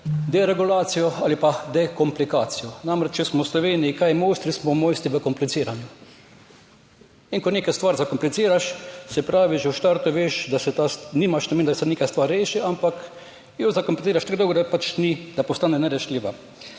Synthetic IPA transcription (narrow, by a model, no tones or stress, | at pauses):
d̪ɛɾɛɡulaːt̪sijɔaːlipad̪ɛkɔmplikaːt̪sijɔnamɾɛt͡ʃt͡ʃɛsmɔwslɔʋeːniikajmost̪ɾismɔwmoːjst̪iʋəkɔmplit̪siːɾanju | iŋkɔneːkajst̪ʋaːɾzakɔmplit̪siːɾaʃsɛpɾaːʋiʒɛwʃt̪aɾt̪ʊʋeːʃd̪asɛt̪asniːmaʃnameːnd̪asɛneːkajst̪ʋaːɾʲːeːʃiampak | jozakɔmplʲit̪iːɾaʃt̪aɡd̪oʊwɡɔd̪apat͡ʃnid̪̥apɔst̪aːnɛnɛɾɛʃliːʋa